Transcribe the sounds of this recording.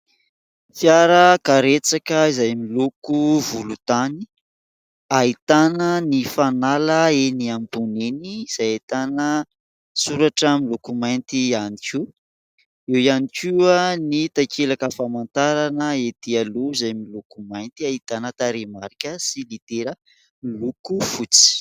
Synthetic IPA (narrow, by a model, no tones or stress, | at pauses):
fjaɾəkaɾet͡sakəizajmilukuvulut̪ani | aɦit̪anənifanaləeniambuneniz̥ajat̪anə | suɾaʈ͡ʂamilukumajnt̪ianikʰu | ewianikuanit̪akʰelakəfamant̪aɾanəet̪ialuizajmilukumajnt̪iaɦit̪anət̪aɾemaɾikʲəsilit̪eɾə | lukufut͡si̥